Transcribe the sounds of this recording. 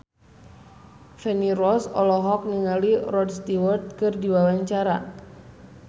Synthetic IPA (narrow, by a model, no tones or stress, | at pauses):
fɛnirɔsɔ̰lɔɦɔk̚niŋalirɔdst̪iwərt̪̚kɨrdiwawaɲt͡ʃaɾa̰